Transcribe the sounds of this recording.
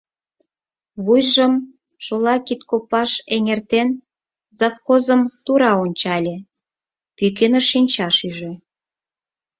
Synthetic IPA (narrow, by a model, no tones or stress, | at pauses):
βujʒəm | ʃolɑkit̪kopɑʃeŋert̪en | zɑfxozə̆mt̪uɾɑonʲt͡ɕɑlʲĕ | pyk̬enəʃinʲt͡ɕɑʃyʒĕ